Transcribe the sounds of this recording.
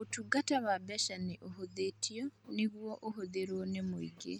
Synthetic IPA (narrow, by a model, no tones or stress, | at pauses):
otuɡataβabɛʃaniʔoɦoðetʰijɔniɣwɔʔoɦoðeɾonemoḭɡḛ